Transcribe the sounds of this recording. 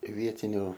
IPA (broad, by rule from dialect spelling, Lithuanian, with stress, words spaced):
ɪ ˈʋʲiɛtʲɪnʲʊ